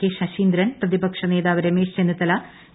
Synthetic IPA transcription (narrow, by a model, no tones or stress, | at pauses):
eʂɐɕiːnd̪ɾɐnprɐðibɐkʂɐne̞ːðaːʋɐɾemeːʂt͡ɕenɐt̪ːɐla